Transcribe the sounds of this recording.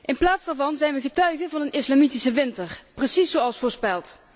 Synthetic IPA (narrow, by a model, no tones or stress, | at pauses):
ʔɪnplaːtzdaːɹvɑnzɛjnʋəɣətœɥɣənvɑnənɪslaːmitisəʋɪntərprəsisowɑlˠsfoːɹspɛlˠt